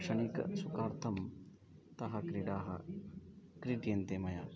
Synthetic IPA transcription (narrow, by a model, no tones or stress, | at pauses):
ʂɐnikɐ̰sukaːɾt̪ʰɐm | t̪ɐɦɐkɾiɖaːɦɐ̰ | kɾiʈjent̪eːmɐjaː